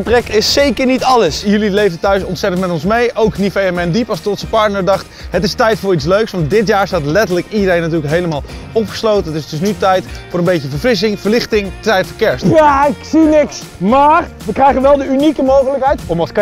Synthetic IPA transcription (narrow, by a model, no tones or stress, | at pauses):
əprɛkɪsːejkəɹnitɑləsjɵlilejvəntœɥsɔntsɛtəntmɛtɔnsmejʔowknifejɛmɛndipɑlˠstɔtsəpɑɹtnəɹdɑχtɦətɪstɛjtfʊːɹitsløɥksʋɑnt̚dɪtjaːɹstaːtlɛtəɹləkidəɾejnatyːɹləkɦejləmaːlˠɔpχə̥slowtənətɪsdɵsnytɛjtfʊːɾənbejkəvəɹfrɪs̬ɪŋvəɹlɪχtɪŋəɛjtfəɹkɛɹstjaɪksinɪks | maːrʋəkrɛjχənʋɛlˠdəynikəmowχələkɦɛjtɔmɑsk